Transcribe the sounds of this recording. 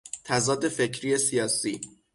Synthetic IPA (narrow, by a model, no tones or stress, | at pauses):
t̪ʰæzɒːd̪e̞fe̞cʰɾiːesijɒːsiː